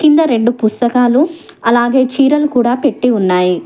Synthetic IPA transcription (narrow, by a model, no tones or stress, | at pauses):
kind̪ɐɾe̞ɳɖupust̪ɐkaːlu | ɐlaːɡe̞ːt͡ʃiːɾɐlukuːɽaːpe̞ʈːiunːaːji